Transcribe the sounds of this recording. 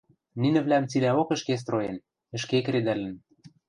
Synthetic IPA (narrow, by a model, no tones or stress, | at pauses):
ninɘ̆vlæmt͡silæokə̆ʃkes̬t̪rojen | ɘ̆ʃkekɾed̪ælɘ̆n